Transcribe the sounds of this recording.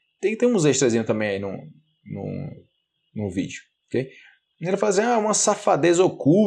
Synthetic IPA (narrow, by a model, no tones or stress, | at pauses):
t̪ẽj̃t̪ẽj̃ũzeʃt̪ɾezĩɲʊt̪ɐ̃mbẽj̃ɐinʊ̰̃ | nʊ̰̃ | nʊ̃vḭd͡ʒʊ | okej | elɪfalɐs̬ĩaũmɐsafad̪ezoku